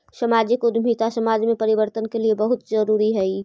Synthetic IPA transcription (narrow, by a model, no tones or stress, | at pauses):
sɐmaːd͡ʒəkʊd̪ʱmʱit̪asɐmaːd͡ʒmẽpɐɾɪʋəɾt̪ənkeliebɐɦʊt̪zəɾuːɾiɦɛi